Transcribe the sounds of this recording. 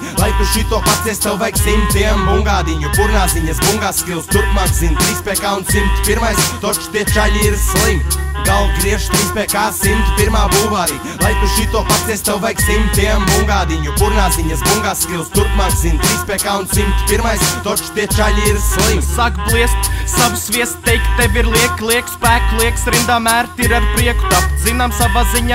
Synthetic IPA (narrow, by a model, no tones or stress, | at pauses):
lˠajk̚t̪uʃit̪ːopat̪sʲesʲt̪ɛwvɛjksimt̪iɛmbuŋɡaːd̪iɲupuɾnaːziɲɐsbuŋɡaskilˠst̪uɾkmakzint̪ɾiːspekaunsimt̪ʲpiɾmajst̪ot͡ʃʃt̪eɛt͡ʃaʎʲiɾslˠimɡalˠkɾiɛʃt̪ɾiːspekasimt̪ʲpiɾmaːbuːvaɾiː | lˠajt̪uʃiːt̪oɔpaiɛsʲt̪awvɛjksimʲt̪ʲiambuŋɡaːd̪iɲupuɾnaːziɲɐsbuŋɡaːst̪ilˠst̪uɾkmaːk̪zinʲt̪ɾiːspɛkaːunsimt̪ʲpiɾmajst̪ot͡ʃt̪iɛt͡ʃaʎʲiiɾslˠimsakblˠiɛst̪savusviɛst̪t̪ejkt̪evʲiɾlˠiɛklˠiɛkspæːklˠiɛksɾind̪amæːɾt̪iɾaɾpɾiɛku̥t̪apzinamsavaːziɲa